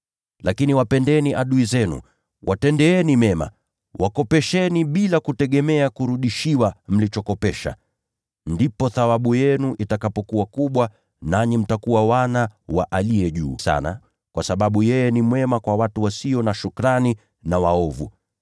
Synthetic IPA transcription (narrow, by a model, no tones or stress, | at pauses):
lakiniwapɛndɛniʔaɗuizɛnṵ | wʔatɛndɛɛnimɛma̰ | wʔakɔpɛʃɛniɓilakutɛɠɛmɛakuɾuɗiʃiwam̩lit͡ʃɔkɔpɛʃa̰ | ndipɔθawaɓujɛnuʔitakapɔkuwakuɓwa | naɲim̩takuwawanawaʔaliɛʄuːsa̰na̰ | kwasaɓaɓujɛjɛnimwɛmakwawatuwasiɔnaʃukɾani | nawaɔvṵ